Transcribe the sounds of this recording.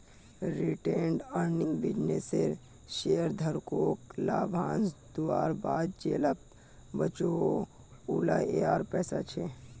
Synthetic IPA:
ɾiʈeːɳɖəɾniŋɡbid͡ʒneseɾ | ʃeːəɾd̪ʱəɾkoːklaːbʱãːnsd̪uaːɾbaːd̪d͡ʒeːləp̚ | bət͡ʃo | ulaeaːɾpɛːsat͡ʃʰe

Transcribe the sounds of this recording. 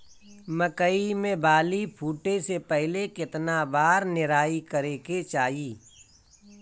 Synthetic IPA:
məkəimẽbaːlipʰuːʈesepɛɦlekɪt̪nabaːɾnɪɾaːikəɾeket͡ʃaːiː

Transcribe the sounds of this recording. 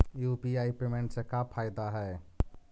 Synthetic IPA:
jupiaipɾemeɳʈsekapʰajd̪aɦɛ

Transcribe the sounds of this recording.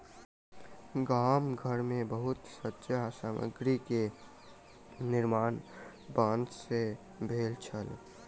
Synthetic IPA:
ɡaːmɡʱəɾmẽbəɦʊt̪sətːʃsaːmə̰ɡɾike | nɪɾmaːn | bãːnd̪se | bʱeːlt͡ʃʰəl

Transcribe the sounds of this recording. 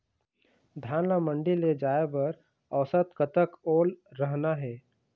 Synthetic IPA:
d̪ʱaːnlamə̃ɳɖiled͡ʒaːebəɾ | əʋsət̪kət̪əkoːlɾəɦnaɦɛː

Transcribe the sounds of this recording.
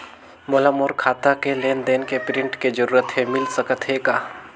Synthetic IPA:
molamoːɾkʰaːt̪akeleːnd̪eːnkepɾɪ̃ɳʈked͡ʒəɾuːɾət̪ɦemɪlsəkət̪ɦekaː

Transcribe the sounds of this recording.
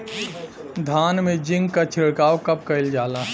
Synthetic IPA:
d̪ʱaːnmẽd͡ʒɪ̃ŋɡkat͡ʃʰɪɽkaːwkɐp̚kɐɪld͡ʒaːla

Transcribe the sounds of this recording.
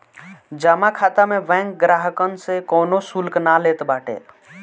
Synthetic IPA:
d͡ʒaːmakʰaːt̪amẽbɛ̃ŋk̚ɡɾaɦəkənsekɔːnosulknaleːt̪baːʈḛ

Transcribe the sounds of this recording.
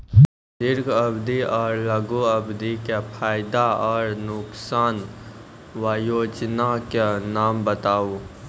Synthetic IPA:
d̪ɪɾɡəbd̪iɔːɾləɡuəbd̪ikepʰaːjɪd̪aɔːɾnʊksaːn | waːjoːd͡ʒnakenaːmbət̪aːu

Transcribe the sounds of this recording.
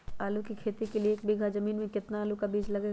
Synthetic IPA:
aːlukikʰeːt̪ikelieeːk̚biɡʱazɐmiːnmẽkɪt̪naaːlukabiːd͡ʒlɐɡeː

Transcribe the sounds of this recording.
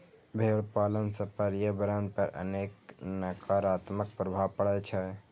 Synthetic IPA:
bʱeːɭpaːlənsəpəɾjəbəɾənpəɾə̰neːknəkʰaɾat̪mək̚pɾəbʱaʋpəɽɛt͡ʃʰɛ

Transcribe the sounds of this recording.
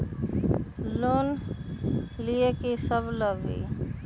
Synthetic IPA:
loːn | liekesəbləɡḭː

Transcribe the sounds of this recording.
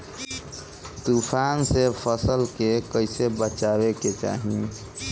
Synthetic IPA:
t̪upʰansepʰəsəlkekəɪsebət͡ʃaβeket͡ʃa̰ɦi

